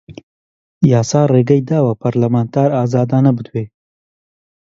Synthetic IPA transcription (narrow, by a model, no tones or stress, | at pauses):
jaːsaːreːɡɐjd̪aːwɐpʰɐɾlɐmaːnt̪ʰaːɾaːzaːd̪aːnɐbɨd̪weː